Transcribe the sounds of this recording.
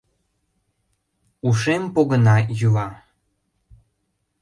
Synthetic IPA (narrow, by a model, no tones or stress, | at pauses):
uʃempoɣənɑjylɑ